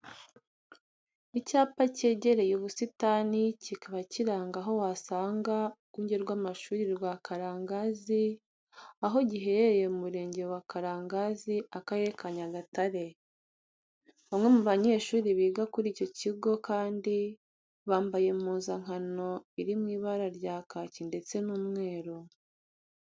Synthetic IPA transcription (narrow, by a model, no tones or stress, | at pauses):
icaːpace̞ːɟe̞ɾe̞juβusitanicikaβaciɾaːŋɡaɦo̞wasaːŋɡa | uɲɟe̞ɾɡwaːmaʃuːɾiɾɡwakʰaɾaːŋɡazi | aɦo̞ɟiɦe̞ɾeeje̞umuɾe̞ːɲɟe̞wakaɾaːŋɡaziakaje̞kʰaɲaɡataɾe̞ | βamŋe̞muβaɲe̞ːʃuːɾiβiːɡakuɾiːco̞ciɡo̞kaːndi | βaːmbaje̞muːnzaŋ̥ano̞iɾimŋiːβaɾaɾɟaːkacinde̞t͡se̞nuːmŋe̞ːɾo